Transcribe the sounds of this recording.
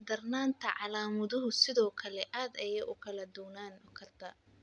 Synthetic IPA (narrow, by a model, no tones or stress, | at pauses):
d̪ɐrnaːnt̪ʰɐʕɑlaːmʊðʊɦʊsɪðɔːkʰɐlɛʔaːd̪ɛjɐʊkʰɐlɐd̪ʊwnaːnɔkʰɐrt̪ʰɐ